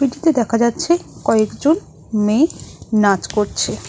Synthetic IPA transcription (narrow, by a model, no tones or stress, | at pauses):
biɖit̪ed̪ɛkʰad͡ʑatːɕʰekɔekd͡ʑon | menad͡ʑkoɾt͡ɕʰe